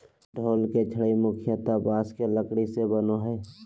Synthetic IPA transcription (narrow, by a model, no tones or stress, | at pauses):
ɖʱoːlket͡ʃʰəɽimʊkʰɪjət̪abaːskeləkɽisebənoɦɛː